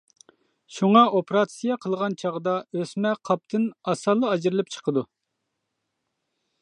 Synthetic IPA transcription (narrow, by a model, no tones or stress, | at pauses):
ʃuŋɑopʰeɾɑt̪sijɑqʰəlˠʁɑnt͡ʃʰɑʁd̪ɑøsmɛqʰɑp̚t̪ʰɨnɑsɑlˠːɨɑd͡ʒɨɾɨlˠɨp̚t͡ʃʰə̥qʰəd̪u